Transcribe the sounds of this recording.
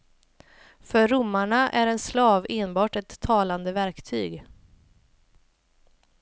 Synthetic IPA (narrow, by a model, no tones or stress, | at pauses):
fœɾːʊmːaɳaʔæɾɛnslɑːveːnbɑːʈɛt̪ʰːɑːland̪əvæɾkt̪ʰy̰ːɡ